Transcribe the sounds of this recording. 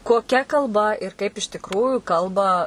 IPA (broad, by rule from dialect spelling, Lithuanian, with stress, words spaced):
koːˈkʲɛ kɐlˠˈbɐ ɪr kɐɪp ɪʃ tʲɪkˈruːjʊ ˈkɐlˠbɐ